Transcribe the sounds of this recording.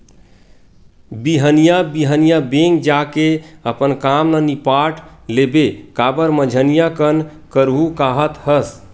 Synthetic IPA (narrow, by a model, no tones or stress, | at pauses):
biɦənijabiɦənijabeŋɡd͡ʒakeəpənkamlənipaʈlebekabəɾməd͡ʒʱənijakən | kəɾɦukaɦət̪həs